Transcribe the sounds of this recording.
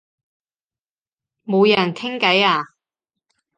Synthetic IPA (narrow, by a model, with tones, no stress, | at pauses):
mo˨˧wjɐ˨˩nt̪ʰɪ˥ŋkɐ˨˥jaː˨˧˩